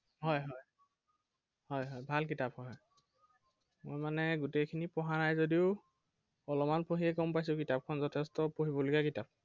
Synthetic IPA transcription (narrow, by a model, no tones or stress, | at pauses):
ɦɔjɦɔj | hɔjɦɔjbʱalkitaphɔj | mojmanɛɡutejkʰinipɔɦanajzodiʊ | ɔlɔmanpoɦiɛkɔmpajs̬ʊ̃kitap̚kʰɔnzɔtʰɛstɔpoɦibɔlikakitap̚